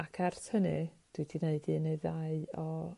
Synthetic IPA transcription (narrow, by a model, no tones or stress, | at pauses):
akʰɛrθhənɨ | d̥wɨdineɨdineðaɨɔ